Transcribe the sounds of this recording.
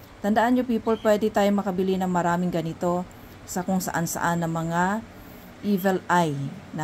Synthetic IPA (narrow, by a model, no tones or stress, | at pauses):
t̪ɐnd̪ɐʔanɲopiːpolpwɛd̪ɛt̪aːjomɐkɐbɪlinɐŋmɐɾaːmɪŋɡɐnɪt̪o̞ | sɐkʊŋsɐ̰ʔansɐ̰ʔanːɐŋmɐŋa | ʔiːvɛlajnɐ